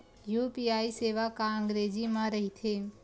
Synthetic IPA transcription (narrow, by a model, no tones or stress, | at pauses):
juːpiaːiseːʋakaə̃ŋɡɾeːd͡ʒimãɾɐɦit̪ʰe